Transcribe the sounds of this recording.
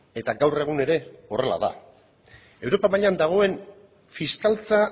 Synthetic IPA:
e̞t̪aɡawre̞ɣ̞une̞ɾe̞o̞re̞la̰ða̰ | e̞wɾo̞pamaʎand̪aɣ̞o̞e̞n | fiskalt͡sa

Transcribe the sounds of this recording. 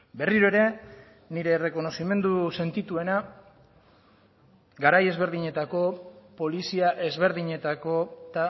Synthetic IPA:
be̞riɾoeɾe̞ | niɾe̞ːre̞ko̞no̞sime̞nd̪use̞nt̪it̪ue̞na | ɡaɾaje̞zβ̞e̞ɾðiɲe̞t̪ako̞po̞lisiaʔe̞zβ̞e̞ɾðiɲe̞t̪ako̞t̪a

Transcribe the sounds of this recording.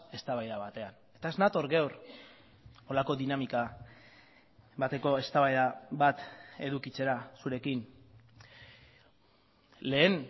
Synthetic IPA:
e̞st̪aβajðaβat̪e̞an | e̞t̪aeznat̪o̞ɾɡewr | o̞lako̞ðinamika | βat̪e̞ko̞e̞st̪aβajðaβat̪e̞ðukit͡se̞ɾasuɾe̞kin | le̞ːn

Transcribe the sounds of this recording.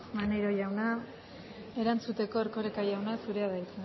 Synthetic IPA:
maneɾo̞ʝawna | e̞ɾant͡sut̪e̞ko̞eɾko̞ɾekaʝawnasuɾe̞aðajt͡s̪e

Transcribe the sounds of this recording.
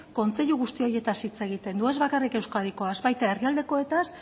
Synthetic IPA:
ko̞nt͡se̞ʎuɣ̞ust̪io̞ɾje̞t̪asit͡se̞ɣ̞it̪e̞nd̪ue̞zβakarike̞wskaðiko̞azβajt̪ae̞riald̪e̞ko̞et̪as

